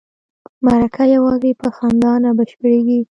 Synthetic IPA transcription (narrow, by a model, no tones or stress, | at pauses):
maɾakʰajawɑzepəxɑnd̪ɑnabaʃpəɾeɡi